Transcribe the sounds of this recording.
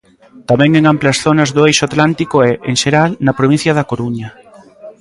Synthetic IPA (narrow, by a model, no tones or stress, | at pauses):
t̪amɛ̃ŋeŋamplɐsθonɐzðʊejʃoat̪lant̪ikoɛʔeŋʃeɾalnɐpɾoβ̞ĩn̟θjɐðɐkoɾuɲɐ